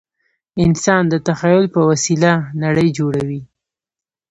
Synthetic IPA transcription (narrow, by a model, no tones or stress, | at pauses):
ɪnsɑnd̪ət̪axajʊlpəwasilanaɽəjd͡ʒoɽawi